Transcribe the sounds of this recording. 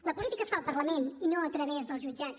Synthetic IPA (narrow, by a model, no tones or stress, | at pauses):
ləpulit̪ikəsfalˠpərləmeninoət̪ɾəβezðəlˠzʒud͡ʒat͡s